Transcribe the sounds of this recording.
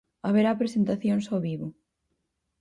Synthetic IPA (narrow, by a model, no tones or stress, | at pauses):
aβeɾapɾesent̪aθjoŋsoβiβʊ